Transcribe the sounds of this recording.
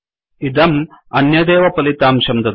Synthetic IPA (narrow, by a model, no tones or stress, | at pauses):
id̪ɐmɐnjɐd̪eːʋɐpɐlit̪aːmʃɐmd̪ɐ